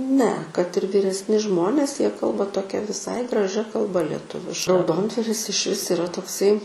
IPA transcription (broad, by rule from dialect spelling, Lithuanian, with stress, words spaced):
nʲɛ kɐt ɪr ʋʲiːrʲɛsʲˈnʲɪ ˈʒmoːnʲeːs jiɛ ˈkɐlˠbɐ toːˈkʲɛ ʋʲɪˈsɐɪ ɡrɐˈʒʲɛ kɐlˠˈbɐ lʲɛˈtʊʋʲɪʃkɐ rɐʊˈdoːndʋɐrʲɪs ɪʃʲˈʋʲɪs ɪˈrɐ toːkˈsɐɪ